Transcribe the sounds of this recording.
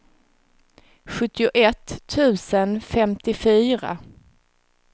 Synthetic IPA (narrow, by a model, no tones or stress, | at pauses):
ɧɵt̪ːɪʊʔɛt̪ʰːʉ̟ːsənfɛmt̪ɪfyːɾa̰